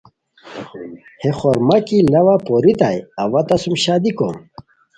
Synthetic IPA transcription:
heχoɾmakilɐwapoɾit̪ajɐwɐt̪ɐsumɕaːd̪iko̰m

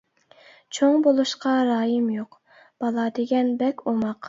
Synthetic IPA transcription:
t͡ʃʰoŋbolˠuʃqɑɾɑːjɨmjoq | b̥ɑlˠɑd̪eɡʲɛnbɛkʲomɑq

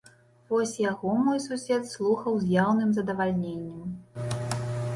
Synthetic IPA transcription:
vɔsʲjaɣɔmɔjsusʲɛt̪slˠuxɐwzʲjawnɨmzɐd̪ɐvalʲnʲenʲːɐm

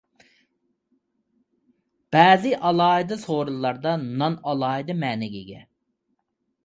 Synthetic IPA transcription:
b̥æːzɪʔɑlˠɑːid̪ɨsoɾulˠːɑɾd̪ɑnɑnɑlˠɑːid̪ɨmɛːnɪɡʲiɡʲɛ̰

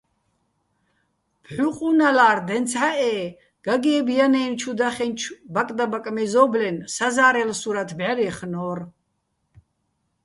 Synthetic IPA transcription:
pʰħuqʼunalaːrd̪ɛnt̪t͡sʰħaʔɛː | ɡ̥aɡɛːbjanɛːnt͡ʃʰud̪aχɛnt͡ʃʰbakʼd̪abakʼmɛzɔːblɛnsazaːɾɛlsuɾat̪ʰbʕɛɾɛχnɔːr

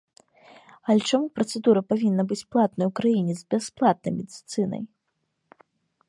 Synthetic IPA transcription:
ɐlʲɛt͡ʂamupɾɐt̪sɛd̪uɾɐpavʲinːɐbɨt͡sʲplˠat̪̚nɐjwkɾajinʲɛzbʲɛsplˠat̪̚nɐjmʲɛd̪ʲit̪sɨnɐ̰j

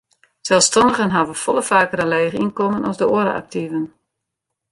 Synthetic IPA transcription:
sɛlˠfstɑndəɣənɦavəfɔlˠəfaːkərəlɛjɣəinkomənɑzdəoəɾə̰ʔa̰k̚tivən

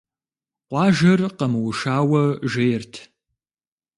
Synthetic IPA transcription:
qʷɑːʒɐrqɐmɨwʊʃaːwɐʒejrtʰ

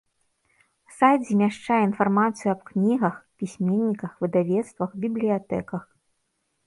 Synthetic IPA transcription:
sajd͡zʲimʲaʂt͡ʂajɛinfarmat̪sɨjuɐbknʲiɣɐxpʲisʲmʲenʲːikɐxvɨd̪avʲɛt̪st̪vɐxbʲiblʲijat̪ɛkɐx

